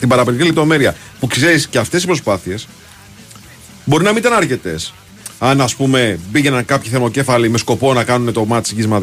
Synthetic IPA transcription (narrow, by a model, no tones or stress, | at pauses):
t̪imbɐɾɐpiɾicilept̪o̞me̞ɾiɐ | pukseɾisceɐft̪e̞sispɾo̞spɐθie̞s | bo̞ɾinɐminit̪ɐnɐɾce̞t̪e̞s | ɐnɐspume̞biʝe̞nɐnkɐpçiθeɾmo̞ce̞fɐlime̞sko̞po̞nɐkɐnune̞t̪o̞mɐt̪i̥sʝizmɐð